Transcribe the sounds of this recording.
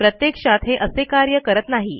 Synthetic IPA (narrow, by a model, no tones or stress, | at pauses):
pɾət̪jekʂat̪ɦeʔəsekaɾjəkəɾət̪naɦi